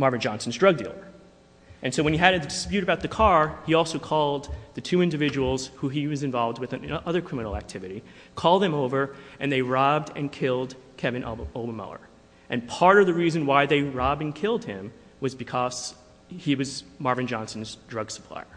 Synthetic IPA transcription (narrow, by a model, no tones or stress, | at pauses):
mɑɹvɨ̃n̩d͡ʒɑ̃nsn̩zdɹʌɡ̚dḭlˠə̰˞ | ʔɨ̃nsoʊwɨ̃niɨɾɨɨdɨspjʉɾɨbaʊt̪̚ðɨkʰɑɹiɔlˠsoʊkʰɔlˠd̪̚ðɨtʰʉɪ̃ndɨvɪd͡ʒɨwl̩ˠz̥huiwʌzɨ̃ɱvɑlˠvd̚wɨðɨʔʌðə˞kʰɹ̥ɪ̃mə̃nl̩ˠæ̰k̚tʰɪvɨɾi | kʰɔlˠd̪̚ðɨ̃moʊvə˞ʔɨ̃nðeɪɹɑb̚dɨ̰̃nkʰɪlˠd̚kʰɛvɨ̃nʔolˠbəmʌ̰lˠə̰˞ | ʔɨ̃npʰɑɹɾʌvðɨɹizɨ̃nwaɪðeɪɹɑb̚dɨ̃nkʰɪlˠd̚ɪ̃m | wʌzbɨkʰʌz̥ | iwʌzmɑɹvɨ̃n̩d͡ʒɑ̃nsn̩zdɹʌɡsə̥pʰl̥a̰ɪə˞